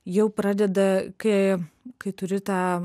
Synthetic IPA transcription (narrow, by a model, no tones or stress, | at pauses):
jɛʊpɾɑːd̪ʲɛd̪ɐkɐkɐɪt̪ʊɾʲɪt̪ɑː